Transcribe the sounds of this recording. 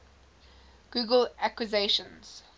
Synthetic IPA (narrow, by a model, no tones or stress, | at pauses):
ɡ̥uːɡəlakwizeʃə̃nz̥